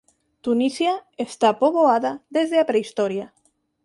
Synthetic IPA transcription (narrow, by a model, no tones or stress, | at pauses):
t̪unisjaest̪apoβoaðaðezðeapɾeist̪ɔɾja